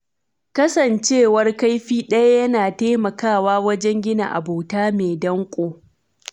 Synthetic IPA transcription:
kɐ˦sɐ˨nt͡ʃeː˦˨wɐ˦rka˦jɸiː˦ɗɐ˦ja˦jɐ˦naː˨teː˦mɐ˨kaː˦˨waː˦wɐ˦d͡ʒɛ˦ŋɡʲɪ˦na̰˨ʔa̰˨boː˨taː˦meː˨dɐ˦ŋkʷʼoː˦

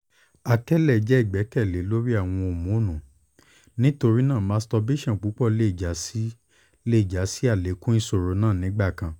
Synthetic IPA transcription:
a˧kɛ˦lɛ˦˨d͡ʒɛ˨˦i˦˨ɡ͡bɛ˨˦kɛ˦˨le˨˦lo˦ɾi˦a˦˨w̃ɔ̃˧o˨mũ˨˦˨nũ˨ | nĩ˦to˧ɾi˦nã˦˨mã˨˦stɔ˧be˦˨ʃɔ̃˦˨k͡pu˨˦k͡pɔ˦˨le˦˨d͡ʒa˨˦si˦ | le˦i˦˨d͡ʒa˨˦si˦a˦˨le˨˦kũ˦nĩ˦so˨ɾo˨˦nãː˦˨nĩ˨˦ɡ͡ba˦˨kã˨

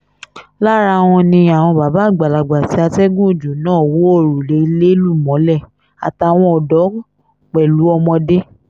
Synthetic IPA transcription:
la˦˨ɾa˧˦˧w̃ɔ̃˧nĩ˧a˨w̃ɔ̃˧ba˨˦ba˨˦˨ɡ͡ba˨la˨ɡ͡ba˨ti˨˦a˧tɛ˦ɡũ˦˨d͡ʒu˨˦nãː˦˨wo˨˦o˦˨ɾu˨le˨˦i˧le˦lu˦˨mɔ̃˨˦lɛ˦˨ | a̰˨ta˨w̃ɔ̃˧ɔ˨dɔ˨˦ | k͡pɛ˨lu˨˦ɔ˧mɔ̃˧de˦

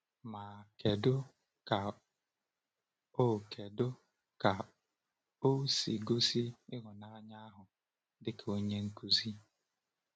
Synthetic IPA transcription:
ma˨ke˨dʊ˦ | ka˨ | o˦˨kʰe˨dʊ˦ | ka˨ | o˦si˨ɡo˦si˦ɪ˦ɣʊ˨na˦ɲa˦ɦʊ˨ | dɪ˨kʰo˦ɲe˦ŋ̩˦ku˦zi˦

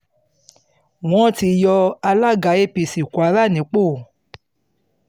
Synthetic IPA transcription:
w̃ɔ̃˦˨ti˧jɔ˧a˧la˦ɡa˨˦e˦˨pi˨si˨kwa˨˦ɾa˦˨nĩ˨˦k͡po˦˨

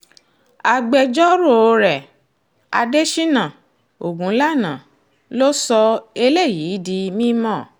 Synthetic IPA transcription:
a˧ɡ͡bɛ˧d͡ʒɔ˦ɾo˦˨o˧ɾɛ˨ | a̰˧de˦ʃi˦nã˨ | o˨ɡũ˨˦la˦˨nã˨ | lo˦sɔ˧e˧le˦˨ji˨˦di˧mĩ˦mɔ̃˦˨

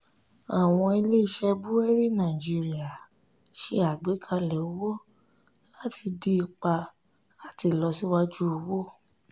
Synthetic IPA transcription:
a˨w̃ɔ̃˧i˧le˦i˦˨ʃɛ˧bu˦ɛ˦ɾi˦nã˨d͡ʒi˧ɾi˦a˨ | ʃe˧˦a˨ɡ͡be˨˦kʰa˧lɛ˨o˨˦wɔ˦ | la˦ti˧di˦i˧k͡pa˧ | a˨ti˧˨lɔ˧si˦wa˦˧d͡ʒu˦o˧wo˦

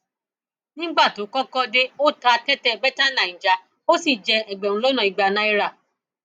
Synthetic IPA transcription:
nĩ˦ɡ͡ba˦˨to˨˦kɔ̃˦kɔ˦de˦o˦ta˧˦tɛ˦tɛ˦˧bɛ˦ta˦nã˨ĩ˨d͡ʒa˨ | o˦si˦˨d͡ʒɛ˧ɛ˨ɡ͡bɛ̃˨ũ˧lo˦nã˨i˨ɡ͡ba˨˧nã˦i˦˧ɾa˦˨

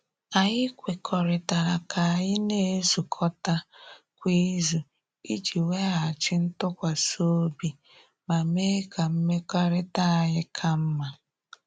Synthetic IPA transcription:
a˨ɲɪ˦kʷe˨kʰɔ˨ɾɪ˨ta˨ɾa˨kʰa˨a˨ɲɪ˦ne˦zu˨kʰɔ˦ta˦ | kʷi˦zu˨ | i˦d͡ʒi˨we˦a˨t͡ʃɪ˦n̩˦tʊ˦kʷa˨so˦bi˨ | ma˨me˦ka˨m̩˦me˦ka˦ɾɪ˦ta˦a˨ɣɪ˦kʰa˦m̩˦ma˨

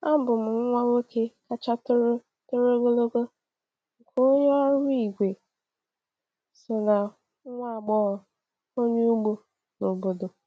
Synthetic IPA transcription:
a˦m̩˦bʊ˨m̩˨ŋ̩˦ŋʷa˦wo˦ke˦ka˦t͡ʃa˦tɾ | to˦ɾo˦ɡo˦lo˦ɡo˦ | ŋ̩˨kʰo˦ɲe˦a˦ɾʊ˦i˨ɡʷe˨ | sɪ˨na˨˦ | ŋʷa˦˨ɡ͡bɔ˦ɔ˨ | o˦ɲe˦u˦ɡ͡bo˦ | no˨bo˨do˨

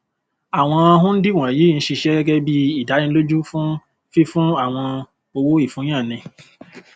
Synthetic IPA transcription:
a˨w̃ɔ̃˧a˧ɦũ˦n̩˦di˦˨w̃ã˨ji˨˦˨n̩˦ʃi˧ʃɛ˦ɡɛ˦ɡɛ˦bi˦i˦˨da˨˦nĩ˧˦lo˦d͡ʒu˦fũ˦ | fi˦fũ˦a˦˨w̃ɔ̃˧ | o˧wo˦i˦˨fũ˨˦j̃ã˦˨nĩ˧

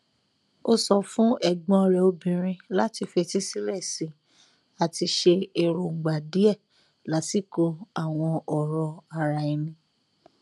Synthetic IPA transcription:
o˧sɔ˨fũ˦ʔɛ˦˨ɡ͡bɔ̃˧ɔ˧ɾɛ˨o˧bĩ˨ɾ̃ĩ˧la˦ti˧fe˧ti˦si˦ɾɛ˦˨sĩ˨˦ | a˨ti˧ʃe˧e˨ɾo˨ŋ̩˨ɡ͡ba˨di˨˦ɛ˦˨ | la˨˦ti˦˨ko˧a˦˨w̃ɔ̃˧ɔ˨ɾɔ˧a˧ɾa˧˨i˧nĩ˧

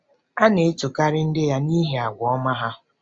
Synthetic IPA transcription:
a˦ne˨˦t͡ʃu˨ka˦ɾɪ˦n̩˦dɪ˦ja˦ni˦ɦe˨a˨ɡʷɔ˦ma˦ɦa˦

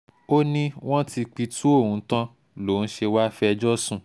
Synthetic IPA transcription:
o˦nĩ˦w̃ɔ̃˦ti˧k͡pi˧tʰu˦o˦˨wũ˨˧˦tã˦ | lo˨n̩˦ʃe˧wa˦fɛ˧d͡ʒɔ˦sũ˦˨

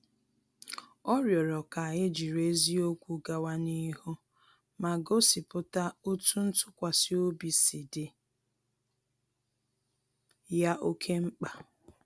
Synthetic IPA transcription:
ɔ˦ɾjɔ˨ɾɔ˨ka˨ɣɪ˦d͡ʒi˨ɾe˦zi˦o˦kʷu˨ɡa˨wa˦ni˦hu˦ | ma˨ɡo˦si˨pʊ˦ta˦o˦tu˦n̩˦tʊ˦kʷa˨sɪ˦o˦bi˨si˨dɪ˨ | ja˦ʔo˦kʰe˦ŋ͡m̩˦k͡pa˨

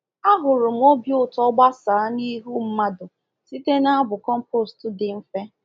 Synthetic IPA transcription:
a˦ɦʊ˨ɾʊ˨m̩˦o˦bjʊ˦tɔ˦ɡ͡ba˦sa˨˦ni˦ɦu˦m̩˦ma˦dʊ˨ | si˦te˦na˦a˦bʊ˨kɔ˦m̩˦po˦˨stʊ˦dɪ˨m̩˦fe˦

